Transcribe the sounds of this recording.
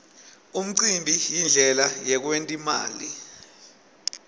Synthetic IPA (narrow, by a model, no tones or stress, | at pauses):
um̩ǀimbʱijind͡ɮʱɛlajɛk̬wentʼima̰ːli